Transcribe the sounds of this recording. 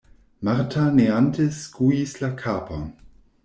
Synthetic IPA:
maʁtʰaneanteskujislakʰaːpa

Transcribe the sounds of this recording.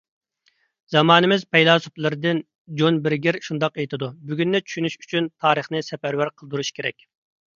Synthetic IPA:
zɑmɑːnɨmɪzpʰɛjlˠɑːsuplˠɨɾɨd̪ɨn | d͡ʒonbɪɾɡʲɪɾʃund̪ɑqejt̪ʰɨd̪ubyɡʲynːɛt͡ʃʰy̥ʃynyʃy̥t͡ʃʰynt̪ʰɑːɾəχnɨsɛpæɾwæɾqʰəlˠd̪uɾuʃkʲʰeɾɛ̰kʲ

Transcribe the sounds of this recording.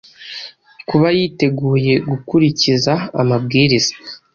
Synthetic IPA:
kuβajiːte̞ɡuːje̞ɡukuɾiciza̰ːmabɡiːɾizaḁ

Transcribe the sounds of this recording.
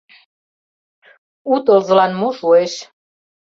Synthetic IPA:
ut̪olzəlanmuʃueʃ

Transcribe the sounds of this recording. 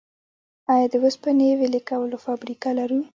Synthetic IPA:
ɑjɑd̪əwəspənewelikawəlofabɾikalaɾu

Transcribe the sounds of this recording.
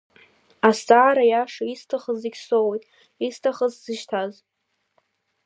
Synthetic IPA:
ast͡sʼaːɾajaʂaistʰaχəziɡʲsowejtʼ | istʰaχəzz̥ɨʃtʰaz

